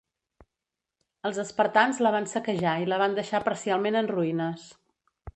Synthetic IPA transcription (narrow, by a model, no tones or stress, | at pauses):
əlˠzəspəɾt̪anzləβansəkəʒailəβ̞and̪əʃapəɾsialˠmenənruinəs